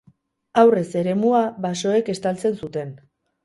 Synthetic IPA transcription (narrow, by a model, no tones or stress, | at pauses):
awre̞se̞ɾe̞muaβaso̞e̞ke̞st̪alt͡se̞nsut̪e̞n